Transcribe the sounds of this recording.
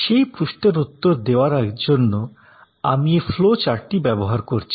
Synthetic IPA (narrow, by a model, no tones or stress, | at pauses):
ʃejpɾuʃʈeɾut̪ːoɾd̪eoaɾd͡ʑonːo | amieflot͡ɕaɾʈibɛboɦaɾkoɾt͡ɕʰi̥